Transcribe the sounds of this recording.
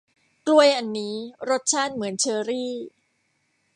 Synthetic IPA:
klu˧əjʔa˧nːiː˦˥ɾo˦˥t̪̚t͡ɕʰaː˥˩n̚mɯ˩˦ənt͡ɕʰɤː˧ɾiː˥˩

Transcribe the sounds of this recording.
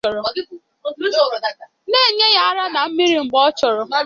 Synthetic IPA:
ɔ˨ɾɔ˨˦˨ | neː˦˨ɲe˦ja˦a˦ɾa˦na˨m̩˦mi˦ɾi˨ŋ͡m̩˨ɡ͡bɔ˦t͡ʃɔ˨ɾɔ˨

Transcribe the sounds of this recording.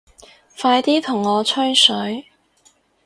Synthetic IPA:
faː˧jt̪iː˥t̪ʰʊ˨˩ŋːɔː˨˧t͡ʃʰœ˥nsɵ˨˥ɥ

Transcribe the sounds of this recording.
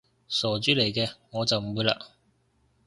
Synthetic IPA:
sɔː˨˩t͡ʃyː˥le˨˩jkɛː˧ŋɔː˨˧t͡sɐ˨wm˨muː˨˧jla̰ː˧

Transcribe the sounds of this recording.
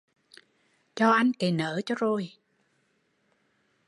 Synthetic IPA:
t͡ɕɔ˧ʔa˧jŋ̟ke˨˩nəː˧˦t͡ɕɔ˧zo˨˩j

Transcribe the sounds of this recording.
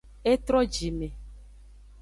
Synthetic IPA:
e˦t̪ɾɔ˦d͡ʒi˨mẽ˨

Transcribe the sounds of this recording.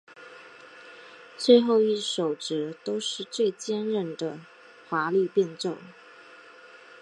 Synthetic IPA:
t͡swe˥˧ɪxo˥˧ʊi˥˩ʂo˨˩ʊʈ͡ʂɻ̩˧˥t̪o˥ʊʂɻ̩˥˧t͡swe˥˩ɪt͡ɕjɛ˥nɻə˥˧˩nd̪ə˨ | xwa˧˥ly˥˧pjɛ˥˧nʈ͡ʂo˥˩ʊŋ

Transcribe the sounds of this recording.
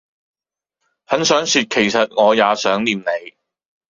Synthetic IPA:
hɐ˨˥nsœː˨˥ŋsyː˨t̚kʰe˨˩jsɐ˨t̚ŋɔː˨˧jaː˨˧sœː˨˥ŋliː˨mne˨˧j

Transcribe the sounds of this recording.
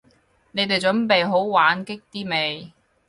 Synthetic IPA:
ne˨˧jt̪̬e˨jt͡sɵ˨˥npe˨jɦo˨˥wwaː˨˥nkɪ˥k̚t̪iː˥me˨˧j

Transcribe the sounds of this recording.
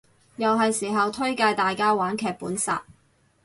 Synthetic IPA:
jɐ˨wɦɐ˨jsiː˨˩ɦɐ˨wt̪ʰɵ˥ɥkaː˧jt̪aː˨jkaː˥waː˨˥nkʰɛː˨˧k̚puː˨˥nsa̰ː˨t̚

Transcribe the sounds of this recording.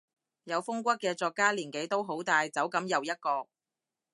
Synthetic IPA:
jɐ˨˧wfʊ˥ŋkʷɐ˥t̚kɛː˧t͡sɔː˧kːaː˥liː˨˩nke˨˥jt̪o˥wɦo˨˥wt̪aː˧jt͡sɐ˨˥wkɐ˨˥mjɐ˨˧wjɐ˥t̚kɔː˧k̚

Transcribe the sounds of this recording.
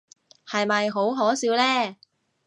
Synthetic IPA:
hɐ˨jmɐ˨jɦo˨˥wɦɔː˨˥siː˨˥wlɛː˥

